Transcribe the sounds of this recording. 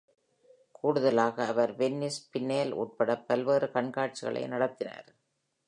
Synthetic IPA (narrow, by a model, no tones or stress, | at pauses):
kʰuːɽɯðɐlaːɣɐːʋɐɾʋɛnːɪspɪnːeːlṵːʈ̚pɐɽɐpːɐlʋeːrɯkɐɳkaːʈ̚t͡ʃɪɣɐ̰ɭɐ̰ɪnɐɽɐt̪ːɪna̰ːɾ